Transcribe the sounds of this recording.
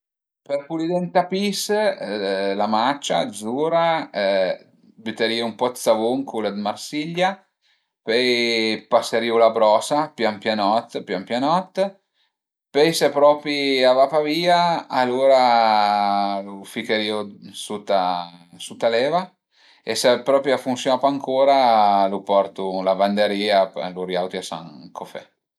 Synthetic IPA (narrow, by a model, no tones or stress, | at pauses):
perpulid̪ɛnt̪apis | lamat͡ʃːa̰d̪zuːɾa | byt̪ːeɾiːoumpɔsavoŋkʰulad̪marsiʎːa | pɛjpasːeɾiːolabɾɔːsapjampjanɔt̪ːpjampjanɔt̪ː | pɛjsepɾɔːpɾiavapaviːaːlːoːɾa | lufikeɾiːusut̪ːasut̪ːalɛːva | esepɾɔːpɾjafunsjonapaŋkʰoːɾalupɔrt̪ulaband̪eɾiːapa̰luɾjawt̪iasa̰ŋkʰofɛ̰